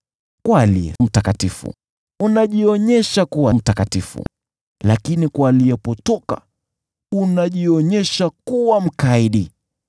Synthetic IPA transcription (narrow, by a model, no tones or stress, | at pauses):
kwaliɛ̰m̩takatifṵ | unaʄiɔɲɛʃakuwam̩takatifṵ | lakinikwaːliɛpɔtɔka̰ | unaʄiɔɲɛʃakuwam̩kaiɗi